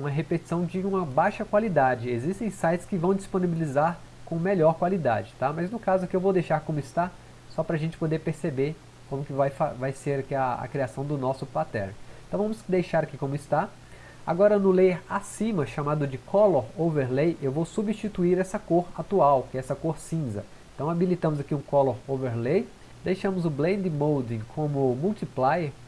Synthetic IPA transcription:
ũmɐɦepet͡ʃi̥sɐ̃w̃d͡ʒɪũmɐbajʃɐkwalid̪ad͡ʒɪezist̪ẽj̃sajt͡ʃɪ̥skɪvɐ̃w̃d͡ʒisponibilizaɾ | kõmeʎɔɾkwalid̪a̰d͡ʒɪt̪amɐznʊkazʊkɪewvowd̪ejʃaɾkõmʊɪst̪a | sɔpɾɐaʒẽnt͡ʃɪpod̪eɾpeɾsebeɾ | kõmʊkɪvajfavajseɾakiɐɐ̰kɾiasɐ̃w̃d̪ʊnɔsʊpat̪ɛ̰ɾt̪ɐ̃w̃vɐ̃mʊsd̪ejʃaɾakikõmʊɪst̪a | a̰ɡɔɾɐnʊleɾasĩmɐʃamad̪ʊd͡ʒɪkʰɔloɾoveɾlejʔewvowsubist͡ʃit̪uiɾɛsɐkoɾat̪uawkɛɛsɐkoɾsĩzɐ̰ | ẽt̪ɐ̃w̃abilit̪ɐ̃mʊzakiũkɔloɾoveɾlej | d̪ejʃɐ̃mʊzʊblẽd̪ɪmowd̪ĩkʰõmʊmuwt̪iplajeɾ

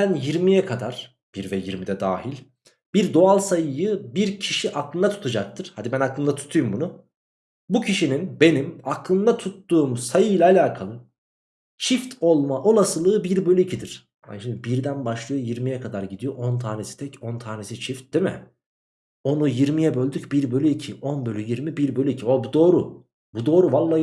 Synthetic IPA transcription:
bænjiɾmijɛkʰad̪aɾ̥ | b̥iɾvɛjiɾmid̪ɛd̪aːɦilʲ | biɾd̪o̞alˠsajɯjɯbiɾcʰiʃiʔaklˠɯnd̪at̪ʰu̥t̪ʰad͡ʒak̚t̪ʰɯɾ̥had̪ibænaklˠɯnd̪at̪ʰu̥t̪ʰujumbunʊ | bucʰiʃininbe̞nimaklˠɯnd̪at̪ʰut̪ːuːmsajɯjlʲaːlʲaːkʰalˠɯ | t͡ʃʰift̪ʰo̞lˠmaʔo̞lˠasɯlˠɯːbiɾbølʲyicʰid̪iɾ̥ | a̰ʃimd̪ibiɾd̪ænbaʃlˠɯjojiɾmijɛkʰad̪aɾɟid̪ijo̞ʔont̪ʰaːnesi̥t̪ʰɛcont̪ʰaːne̞sit͡ʃʰift̪̚d̪̥imɪ̰ | o̞nujiɾmijɛbølʲd̪ycbiɾbølʲyicʰiʔonbølʲyjiɾmibiɾbø̞lʲyicʰiobud̪o̞ːɾu | bud̪o̞ːɾuvalˠːaː

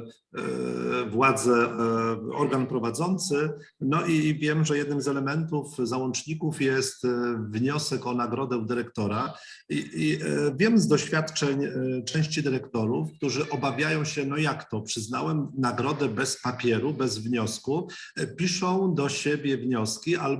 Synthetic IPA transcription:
vwad̪zɛ | ɔɾɡanpɾɔvad̪zɔnt̪sɘ | nɔʔivʲjɛmʐɛjɛd̪̚nɘmzɛlɛmɛnt̪ufzawɔnt͡ʂɲikufjɛst̪vɲɔsɛkɔnaɡɾɔd̪ɛwd̪ɘɾɛkt̪ɔɾa | iivʲjɛmzd̪ɔɕfʲjat̪t͡ʂɛɲt͡ʂɛ̃w̃ɕt͡ɕid̪ɘɾɛkt̪ɔɾufk̚t̪uʐɘʔɔbavʲjajɔ̃w̃ɕɛnɔjakt̪ɔpʂɘznawɛmnaɡɾɔd̪ɛbɛspapʲjɛɾubɛzvɲɔskupʲiʂɔ̃w̃d̪ɔɕebʲjɛvɲɔskʲiʔal

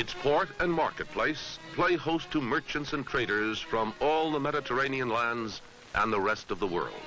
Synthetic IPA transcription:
ɨtspʰɔɹɾɨ̃nmɑ̰ɹkɨt̚pʰl̥eɪspʰl̥eɪhoʊstʰəmɜ˞t͡ʃɨ̃ntsɨ̃ntʰɹ̥eɪɾə˞z̥fɹʌ̃mɔlˠðəmɛɾɨtʰə˞ẽɪ̃niɨ̃nlæ̃ndz | ʔə̰̃nðəɹɛstʌvðəwɜ̰˞lˠd̥̚

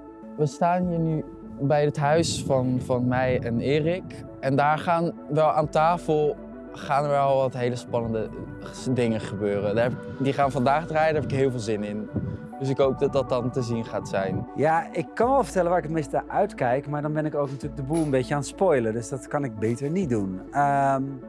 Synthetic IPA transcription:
ʋəstaːnɦiːɹny | bɛjətɦœɥsfɑnvɑnmɛjɛnɪːrɪk | ɛndaːɹχaːnʋɛlˠaːntaːfəlˠ | χaːnəɹʋɛlˠʋɑtɦejləspɑnəndə | dɪŋəχəbøːrəndaːɹɛpɪk | diχaːnvɑndaːχdraːjədaːɦɛpɪkɦɪːlˠvɪːlˠzɪnɪn | d̥ɵsɪkɦowp̚dɑt̚dɑt̚dɑntəzinχaːtsɛjnjaːɪkːɑnʋɛlˠvəɹtɛlənʋaːɹɪkətmejstəʔœɥtkɛjkmaːɹdɑnbɛnɪkowknətyːləɡ̚dəbulˠənbejcəaːnətspojlədɵsdɑtkɑnɪɡ̚bejtəɹnit̚dunəm

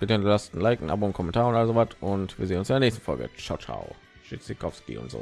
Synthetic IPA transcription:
v̥ɪɐdɛndlastn̩laɪknʔa̰bunkʰɔmɛntʰaːʁʊntʔaləzovatʰʊntv̥iːɐzeːnʊnsɪndeɐnɛçstn̩fɔlɡə̰t͡ʃaʊt͡ʃa̰ʊ | ʃit͡sikʰɔfskḭʊ̰ntz̥o̰ː

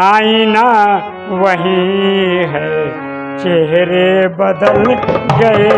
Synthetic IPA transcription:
aːĩna | ʋɐɦĩ | ɦɛ | t͡ʃeɦɾebɐd̪əlɡɐe

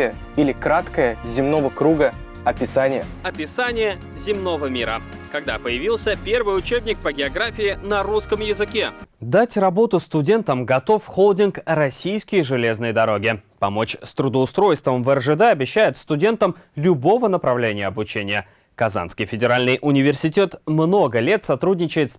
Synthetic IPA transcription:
jə | ilʲɪkɾat̪kəjəzʲɪmnovəkɾuɡə | ɐpʲɪsanʲɪjə̰ɐpʲɪsanʲɪjə | zʲɪmno̞vəmʲiɾə | kɐɡ̚d̪apəjɪvʲilˠsʲəpʲe̞rvɨjʊt͡ɕebnʲɪk̚pəɡʲɪɐɡɾafʲɪɪnɐɾuskəmjɪzɨkʲed̪atʲrɐbo̞t̪ʊst̪ʊdʲe̞nt̪əmɡɐt̪o̞fxolˠdʲɪnkrɐsʲijskʲɪjʐɨlʲe̞znɨjd̪ɐɾo̞ɡʲɪpɐmo̞t͡ɕst̪ɾʊd̪əʊst̪ɾo̞jst̪vəmvɛrʐɨd̪ɛɐbʲɪɕːæjɪt̪st̪ʊdʲe̞nt̪əmlʲʊbo̞vənəpɾɐvlʲenʲɪjəɐbʊt͡ɕenʲɪjə | kɐza̰nskʲɪjfʲɪdʲɪɾalʲnɨjʔʊnʲɪvʲɪrsʲɪtʲe̞t̪mno̞ɡəlʲe̞t̪sɐt̪ɾudʲnʲɪt͡ɕɪjɪt̪s

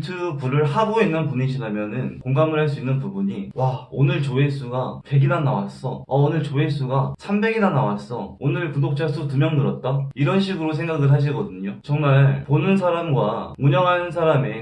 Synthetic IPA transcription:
tʰɯpuɾɯɭhaboinːɯnpuɲiɕʰiɾamjʌnɯnkoŋɡamɯɭɦaɭs͈uinːɯnpubuɲiwaonɯɭt͡ɕoes͈uɡape̞ɡinanːa̰wa̰s͈ʌʌonɯɭt͡ɕoes͈uɡasʰambe̞ɡinanawas͈ʌonɯɭkudok̚t͡ɕ͈asʰotumjʌŋnɯɾʌt̚t͈aiɾʌnɕʰiɡɯɾos̬ʰe̞ŋɡaɡɯɭɦaɕ̬ʰiɡʌdɯɲot͡ɕʌŋmaɭponɯns̬ʰaɾamɡwauɲʌŋɦanɯnsʰaɾame̞

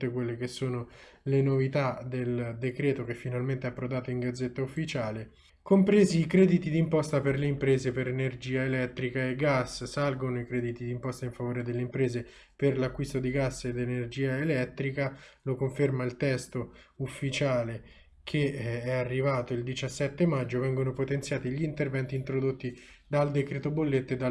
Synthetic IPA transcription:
ekwelːek̟esːoːnolenovit̪ad̪eld̪ekɾeːt̪ok̟efːinalment̪eɛpːɾod̪aːt̪oiŋɡad̪zːet̪ːaufːit͡ʃaːle | kompɾeːziːkɾɛːd̪it̪id̪impɔst̪aperleimpɾeːzepeɾenerd͡ʒiːaelɛt̪ːɾikaeɡːasːsalɡonoikɾɛːd̪it̪id̪impɔst̪aiɱfavoːɾed̪elːeimpɾeːze | perlakːwist̪od̪iɡasːed̪enerd͡ʒiːaelɛt̪ːɾikalokoɱfermailt̪ɛst̪oufːit͡ʃaːle | kʰeɛarːivaːt̪oild̪it͡ʃasːɛt̪ːemad͡ʒːovɛŋɡonopot̪ent̪sjaːt̪iʎint̪ervɛnt̪int̪ɾod̪ot̪ːi | d̪ald̪ekɾet̪obolːet̪ːoed̪a

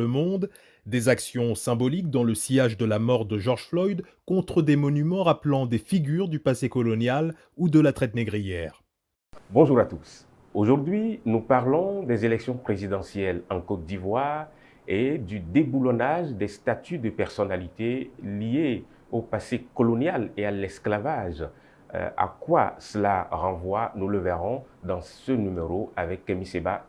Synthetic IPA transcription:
əmɔ̃d̪ | d̪ezaksjɔ̃sɛ̃bɔlikd̪ɑ̃ləsijaʒd̪əlamɔʁd̪əʒɔʁʒflɔjd̪kɔ̃t̪χəd̪emɔnymɑ̃ʁaplɑ̃d̪efiɡʲyʁd̪ypasekɔlɔnjal | ud̪əlat̪χɛt̪neɡʁijɛːʁ | bɔ̃ʒuʁat̪us | oʒuʁd̪ɥinupaʁlɔ̃d̪ezelɛksjɔ̃pχezid̪ɑ̃sjɛlɑ̃kot̪̚d̪ivwaʁ | ed̪yd̪ebulɔnaʒd̪ɛst̪at̪yd̪əpɛʁsɔnalit̪elie | opasekɔlɔnjalealɛsklavaʒ̰ | a̰kwasəlaʁɑ̃vwanuləvɛʁɔ̃d̪ɑ̃sənymeʁoavɛkːɛmiseba

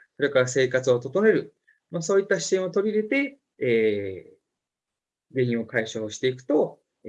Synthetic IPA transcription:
so̞ɾe̞kaɾase̞ːkat͡sɨot̪o̞t̪o̞ne̞ɾɯ̟ | moso̞ːit̪ːaɕi̥t̪ẽ̞ɰ̃o̞t̪o̞ɾʲiɾe̞t̪e̞ | eː | ɡeĩɰ̃o̞kaiɕoːɕi̥t̪e̞ikɯ̟̥t̪o̞

